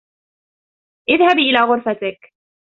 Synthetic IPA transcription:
ʔɪðhabiːʔɪlaːɣʊɾfat̪ɪk

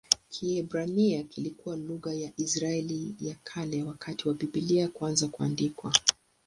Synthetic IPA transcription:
kʰiɛbɾaniakilikuwaluɣajaʔisɾaɛlijakʰalɛwakʰatiwapiɓiliakwanzakuandikwa

